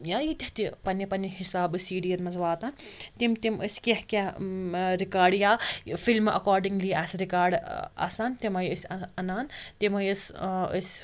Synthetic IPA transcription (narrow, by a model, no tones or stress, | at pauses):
jaːjit̪ʲɐht̪ipɐnɐpɐnihisaːbɨsiːɖiɐnmɐzʋaːt̪ant̪imt̪iməsʲkʲehkʲɐ | ɾikaːɾɖjaːfilmɐ̰kaːɾɖiŋɡliaːsɾikaːɾɖɐ̰sant̪imɐjɨsʲɐɐnaːnt̪imɐjəsə̰sʲ